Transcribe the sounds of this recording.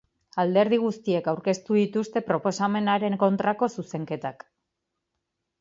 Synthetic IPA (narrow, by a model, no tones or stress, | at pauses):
ald̪e̞ɾð̞iɣ̞ust̪ie̞kawɾke̞st̪uð̞it̪ust̪e̞pɾo̞po̞same̞naɾe̞ŋko̞nt̪ɾako̞suse̞ŋke̞t̪ak